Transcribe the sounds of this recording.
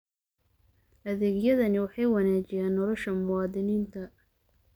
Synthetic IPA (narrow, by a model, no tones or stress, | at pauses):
ʔɐðɛːɡjɐðɐnɪwɑħɑjwɑnaːt͡ʃɪjaːnːɔlɔʃɐmʊwɑːðɪniːnt̪ʰɐ